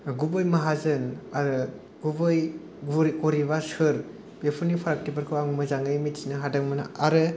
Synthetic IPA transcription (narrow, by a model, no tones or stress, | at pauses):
ɡubɯjmɐɦazɯnaɾɯ | ɡubɯj | ɾɡoɾiβasɯɾ | bepʰunipʰaɾak̚tibɯɾkʰɯwaŋmɯzaŋɯjmitsinɯɦadaŋmɯna̰ʔaɾɯ